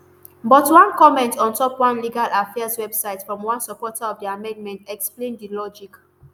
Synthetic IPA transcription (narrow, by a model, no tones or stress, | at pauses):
bɔtwãnkɔmɛ̃ntɔ̃ntɔpwãnliɡalʔafɛaswɛbsaɪtfɹɔ̃mwãnsəpɔtaɔfdiamɛ̃ndmɛ̃ntɛksplẽndilɔd͡ʒik